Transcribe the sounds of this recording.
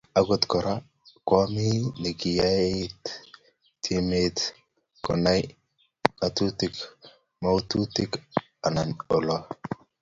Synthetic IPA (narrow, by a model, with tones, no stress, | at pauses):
a˨ɡo˦˨t̪kɔ˨ɾa˦ | kwɔ˦mi˦ni˨kɪ˨ja˦et̪ː | e˦me˦t̪ | kɔ̰˨na˦j | a˨t̪u˦t̪i˦k | ma˦u˦t̪u˦t̪ɪ˦k | a˨na˨no˨lɔ˦